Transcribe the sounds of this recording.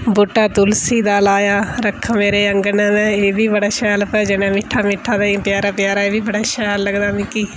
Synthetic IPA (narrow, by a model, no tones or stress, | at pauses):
bʊʈːaːt̪ʊlsiːd̪aːlaːjaːɾəkʰameːɾeːəŋɡənãːnɛ̃ːeːbiːbəɽaːʃɛːlpɛːd͡ʒənɛ̃ːmɪʈʰːaːmɪʈʰːãːd̪aːpjaːɾaːpjaːɾaːeːbiːbəɽaːʃɛːlːəɡd̪aːmĩːkiː